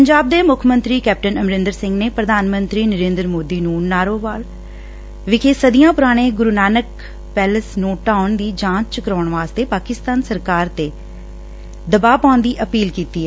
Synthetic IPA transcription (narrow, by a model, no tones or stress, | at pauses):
pəɲd͡ʒaːb̚d̪eːmʊkʰmə̃nt̪ɾiːkɛːp̚ʈənəmɾɪ̃nd̪əɾsɪ̃ŋɡneːpɾəd̪ʱaːnmə̃nt̪ɾiːnəɾeːnd̪əɾmoːd̪iːnũːnaːɾoːʋaːl | ʋɪkʰeːsəd̪ijãːpʊɾaːɽ̃eːɡʊɾunaːnək | pɛːləsnũːʈãːʊɳd̪iːd͡ʒãːt͡ʃt͡ʃkəɾɔ̃ːɳʋaːst̪eːpaːkɪst̪aːnsəɾkaːɾt̪eː | d̪əbaːpãːʊnd̪iːʔəpiːlkiːt̪iːɦɛː